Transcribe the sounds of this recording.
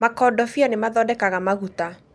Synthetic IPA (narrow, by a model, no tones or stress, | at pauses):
makɔdɔfjɔnemaðɔdɛkaɣamaɣuta